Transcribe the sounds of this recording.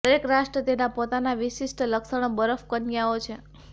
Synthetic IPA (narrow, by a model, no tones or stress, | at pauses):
d̪əɾekɾaʃʈɾət̪enapot̪anaʋiʃisʈələksəɽ̃obəɾəfkənjaot͡ʃʰe